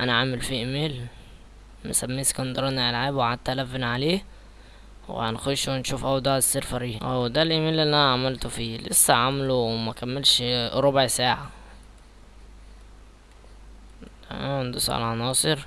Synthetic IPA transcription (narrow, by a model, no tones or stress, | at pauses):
ʔænæʕamɪlfiʔemeːl | mɪsæmːiːse̥kɑnd̪ɑɾˤɑniʕalʕaːbwʕad̪̚t̪ːælævːenʕaleː | wḛhæ̰nxʊʃwɪnʃuːfʔæwd̪ˤɑːʕesːeɾfɑɾiʔæːwd̪ælʔemeːlːilːiʔænæʕamælt̪fiːlɪsːæʕamlomækæmːelʃɾˤobʕsaːʕa | d̪ɑsˤʕɑ̰lʕɑnɑːsˤɨɾ